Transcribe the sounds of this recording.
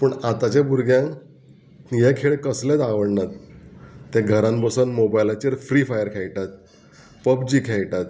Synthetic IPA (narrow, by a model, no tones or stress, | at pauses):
pəɳat̪at͡ɕãbuɾɡjã | jekʰeɭkəslet̪aʋəɽnat̪ː | ẽɡʱəɾãmbəsənmobajlat͡ɕəɾfɾiːfajəɾkʰejʈat̪ | pəb̚d͡ʑiːkʰejʈat̪